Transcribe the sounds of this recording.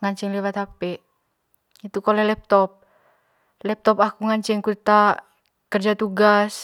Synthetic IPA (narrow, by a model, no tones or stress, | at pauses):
ŋaɲt͡ʃɛŋlɛwat̪apɛ | it̪ukɔlɛhlɛp̚t̪ɔp̚ | lɛp̚t̪ɔpakuŋaɲt͡ʃɛŋkut̪a | kərd͡ʒat̪uɡas